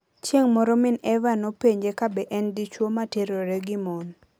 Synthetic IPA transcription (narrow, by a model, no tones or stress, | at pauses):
t͡ʃjeŋmɔɾɔmɪnɛvanopeɲd͡ʒekabɛʔɛndit͡ʃwomateɾoɾeɡimɔn